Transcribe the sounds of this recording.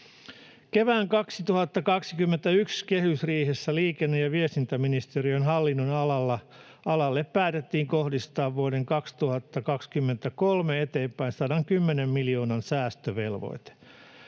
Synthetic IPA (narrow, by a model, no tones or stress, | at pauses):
keʋæːŋkɑksit̪uhɑt̪ːɑkɑksikymːent̪æykskehysriːhesːæliːkenːejɑʋiest̪int̪æminist̪eɾiønɦɑlːinːonɑlɑlːɑ | ʔɑlɑlːeppæːt̪et̪ːiːŋkohdist̪ɑːʋʋuodeŋkɑkst̪uhɑt̪ːɑkɑkskymːent̪ækolmeet̪e̞ːmpæinsɑːdɑŋkymːenemːiljo̞ːnɑnsæːst̪øʋelʋo̰jt̪e̥